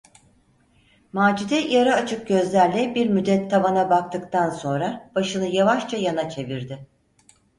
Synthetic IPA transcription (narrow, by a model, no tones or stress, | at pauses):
maːd͡ʒid̪ɛijaɾaːt͡ʃʰɯk̚ɟø̞zlʲæɾlʲɛbiɾmyd̪ɛt̪ʰːamanabak̚t̪ʰɯkt̪ʰanso̞nɾab̥aʃɯnɯjavaʃt͡ʃʰajanat͡ʃʰe̞viɾd̪ɪ